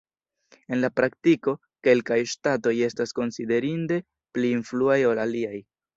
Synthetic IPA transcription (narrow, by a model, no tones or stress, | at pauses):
e̞nlapɾaktiko̞ | ke̞lkajʃtato̞je̞stasko̞nside̞ɾinde̞ | pliːnfluajo̞laliaj